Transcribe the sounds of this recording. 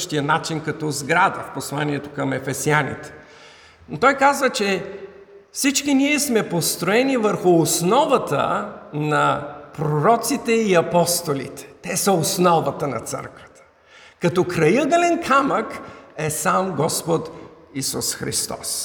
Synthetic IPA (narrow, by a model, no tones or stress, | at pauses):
ʃt̪ijənat͡ʃinkɐt̪ɔzɡɾad̪əfposlˠaniɛt̪okəmɛfɛsianḭt̪ɛ̥ | not̪ɔjkazvət͡ʃɛ | fsit͡ʃkiniɛsmɛpost̪ɾoɛnivəɾxʊːsnɔvət̪ə̰nɐpɾoɾɔt̪sit̪ɛiɐpɔst̪olḭt̪ɛ̥t̪ɛsəosnɔvət̪ənɐ̰t̪sɤ̰ɾkvə̥t̪ə̥ | kɐt̪ɔkɾɐjəɡəlɛnkʰaməkɛsamɡɔspot̪ | isṵsxɾḭst̪ɔ̰s